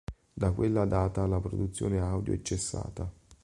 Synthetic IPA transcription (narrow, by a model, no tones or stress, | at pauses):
d̪akwelːad̪aːt̪alapɾod̪ut̪sːjo̰ːneawd̪jo̰ɛt͡ʃːesːa̰ːt̪a